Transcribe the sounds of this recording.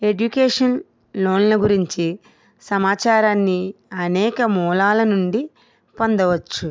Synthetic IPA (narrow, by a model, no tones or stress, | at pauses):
e̞ɖukeːʂɐn | loːnlɐɡuɾiɲt͡ʃi | sɐmaːt͡ʃaːɾaːnːiɐnɛːkɐmuːlaːlɐnuɳɖi | pond̪ɐʋɐt͡ʃːu